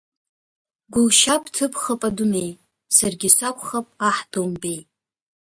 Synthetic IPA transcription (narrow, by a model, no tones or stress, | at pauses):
ɡʷʊlʃapʼtʰɨpʰχapʼadunej | sarɡʲɪsʷakʷʰʼχapʼaħdombe̞j